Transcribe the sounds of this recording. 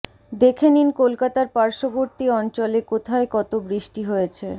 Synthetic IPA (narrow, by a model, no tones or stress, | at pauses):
d̪ekʰeninkolkat̪aɾpaɾʃoboɾt̪iɔnt͡ɕolekot̪ʰaekɔt̪obɾiʃʈiɦojet͡ɕʰe